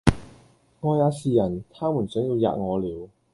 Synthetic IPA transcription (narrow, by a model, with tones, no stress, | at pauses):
ŋɔː˧jaː˨˧siː˨˧jɐ˨˩nt̪ʰaː˥mu˨˩nsœː˨˥ŋt̪i˧wja̰ː˨˧t̚ŋɔː˨˧liː˨˧w